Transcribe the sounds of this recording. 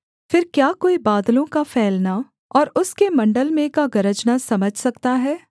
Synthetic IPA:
fɪɾkjaːkoːibaːd̪lõkapʰɛːlna | ɔːɾʊskemɐ̃ɳɖəlmẽkaɡɐɾəd͡ʒnasɐməd͡ʒʱsɐkt̪aɦɛː

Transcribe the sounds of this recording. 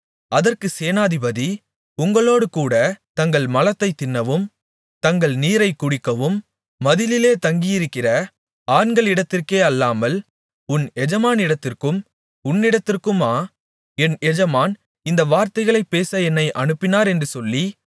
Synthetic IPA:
ɐðɐrkɯseːnaːðɪbɐði | ʊŋɡɐɭoːɽɯkuːɽɐt̪ɐŋɡɐɭmɐlɐt̪ːɐɪt̪ːɪnːɐʋɯm | t̪ɐŋɡɐɭniːɾɐɪkːʊɽɪkːɐʋɯmː | ɐðɪlɪleːt̪ɐŋɡɪjɪɾɯkːɪrɐ | aːɳɡɐɭɪɽɐt̪ːɪrkeːɐlːaːmɐl | ʊnɛd͡ʒɐmaːnɪɽɐt̪ːɪrkɯm | ʊnːɪɽɐt̪ːɪrkɯmaː | ɛnɛd͡ʒɐmaːn | ɪnd̪ɐʋaːɾt̪ɐɪɣɐɭɐɪpːeːsɐɛnːɐɪʔɐɳɯpːɪnaːɾɛndrɯsɔlːi

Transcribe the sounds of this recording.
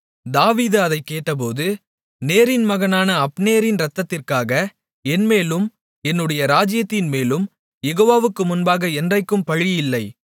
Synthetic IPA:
d̪aːʋiːðɐðɐɪkːeːʈːɐp̬oːðɯ | neːɾɪnmɐɣɐnaːnɐːpnejɐɾɪnɾɐt̪ːɐt̪ːɪrkaːɣɐ | ɛnmeːlɯm | ɛnːɯɽɐjɐɾaːd͡ʒɪjɐt̪ːɪnmeːlɯm | jɛɣoːʋaːʋɯkːɯmʊnbaːɣɐɛndrɐɪkːɯmpɐɻɪjɪlːɐɪ

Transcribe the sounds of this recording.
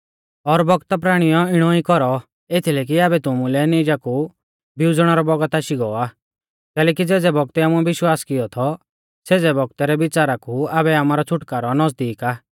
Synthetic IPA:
ɔɾbɔɡt̪ap̬ɾaːɽ̃ijɔɪɽ̃ɔikɔɾɔ | et̪ʰilɛːk̬iabɛt̪ʊmulɛnid͡ʒaku | biʊd͡zɽ̃aɾɔbɔɡət̪aʃiɡɔːaː | kɛːlɛːkid͡zɛːd͡zɛbɔɡ̚t̪ɛaːmuɛbɪʃwaːskɪjɔt̪ʰɔ | seːd͡zɛbɔɡ̚t̪ɛɾɛbɪt͡ʃaːɾakuaːbɛaːmaːɾɔt͡sʰʊʈkaːɾɔnɔzd̪iːkaː

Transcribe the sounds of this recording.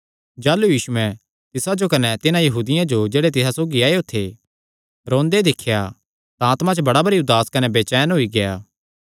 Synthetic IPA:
d͡ʒaːlujiːʃuɛ̃ | t̪ɪsad͡ʒokɐnɛt̪ɪnãjɐɦuːd̪ɪjãd͡ʒod͡ʒeːɽet̪ɪsasoːɡiaːjot̪ʰe | ɾõːnd̪ed̪ɪkʰːja | t̪ãaːt̪mãt͡ʃbɐɽabɐɾiʊd̪ːaːskɐnɛbeːt͡ʃɛːnɦoiɡeja̰ː

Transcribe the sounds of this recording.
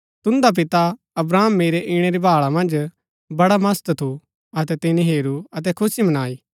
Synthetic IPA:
t̪ʊ̃nd̪ap̬ɪt̪a | ɐbɾaːmːeːɾeʔɪɽ̃eɾibʱaːɭamɐ̃nd͡ʒ | bɐɽamɐst̪t̪ʰu | ɐt̪ɛt̪ɪnĩɦeːɾuɐt̪̬ɛkʰʊsimɐnaːiː

